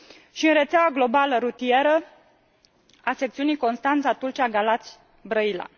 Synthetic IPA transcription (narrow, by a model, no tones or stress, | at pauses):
ʃiɨnɾe̞t̪sʲaaɡlo̞baləɾut̪ieɾə | ase̞k̚t̪siunijko̞nst̪ant̪sat̪ult͡ʃiaɡalat̪sʲ | bɾəila̰